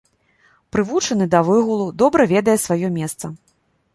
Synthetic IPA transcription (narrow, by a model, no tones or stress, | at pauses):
pɾɨvut͡ʂɐnɨd̪ɐvɨɣulˠud̪ɔbɾɐvʲɛd̪ɐjɛsvajɔmʲɛst̪sɐ